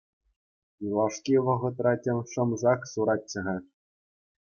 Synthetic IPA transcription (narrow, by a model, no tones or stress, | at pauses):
jilˠɑʂkʲiʋɤ̆ʁɤ̆t̪̬rɑtʲĕmʲʂɤ̆mzɑksuɾɑtʲːɤ̆ʁɑ